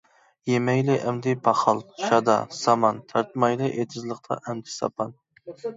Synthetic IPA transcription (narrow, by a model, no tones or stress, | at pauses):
jemɛjlɪʔɛmd̪ɪpʰɑχɑlˠʃɑd̪ɑ̰sɑmɑnt̪ʰɑɾt̪mɑjlˠɨʔet̪ʰɪzlˠəqt̪ʰɑ̰ʔɛmd̪ɪ̥sɑ̰pʰɑn